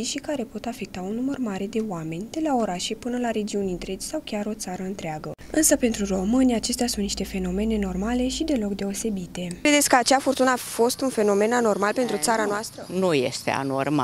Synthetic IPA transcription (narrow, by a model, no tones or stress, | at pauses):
iʃikaɾe̞po̞t̪afe̞k̚t̪aunːumərmaɾe̞d̪e̞wame̞nʲd̪̥e̞lao̞ɾaʃe̞pɨnəlaɾe̞d͡ʒiunʲint̪ɾe̞t͡ʃʲsawkʲaɾo̞t̪saɾəɨnt̪ɾeaɡə | ɨnsəpe̞nt̪ɾuro̞mɨnʲiat͡ʃe̞st̪easunt̪ni̥ʃt̪e̞fe̞no̞me̞ne̞no̞rmale̞ʃid̪e̞lo̞kd̪e̞o̞se̞bit̪e̞kɾed̪e̞t̪sʲkəat͡ʃafort̪unəafo̞st̪unfe̞no̞me̞nano̞rmalpent̪ɾut̪saɾanoast̪ɾənuje̞̰st̪e̞̰a̰no̰rma̰